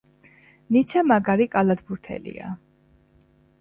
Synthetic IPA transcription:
nit̪sʰamaɡaɾikʼalad̪buɾt̪ʰɛ̰lḭa̰

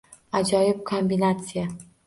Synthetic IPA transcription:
ad͡ʒɒjɪb̚kʰombinat̪sɪja

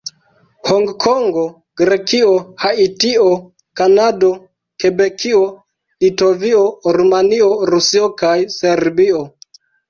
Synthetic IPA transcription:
hoŋɡkʰoŋɡo | ɡ̥ɾekiohaitio | kanado̞ | kebekʰio | litovioɾumanioɾusiokajseɾbio

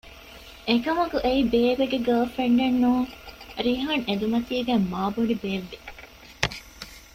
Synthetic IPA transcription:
ekɐmɐkuʔeibeːʋeɡeɡɐːfeɳɖenːuːɾiɦɐned̪umɐt̪iːɡæmːaːboɳibeːʋːe

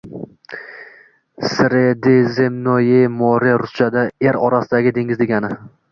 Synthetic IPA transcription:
sɾed̪ezemnojemɒɾeɾʊt͡ʃʰad̪aeɾɒɾasɪd̪aɡʲɪd̪e̞ŋʲɪzd̪eɡʲanɪ

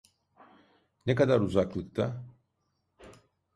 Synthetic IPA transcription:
nekad̪aɾuzaklˠɯkt̪ʰa

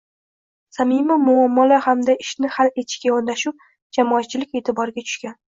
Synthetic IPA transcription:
samɪmamʊamːɒlahamd̪aʔɪʃnɪhale̞t̪ʰɪ̥ʃkʲajɒɾd̪aʃʊp̚ | d͡ʒamɒːt̪̚t͡ʃʰːɪlɪkʲe̞t̪ʰɪbɒɾɪɡʲat̪ʰʊ̥ʃkʲan

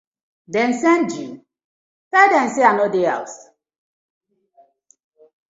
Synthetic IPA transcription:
dɛ̃nsɛnd͡ʒin | fɛdɛn̩seanodeals

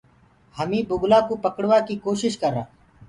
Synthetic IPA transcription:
həmĩːbʊɡlaːkoːpəkɽʋaːkiːkoːʃɪʃkəɾa̰ː

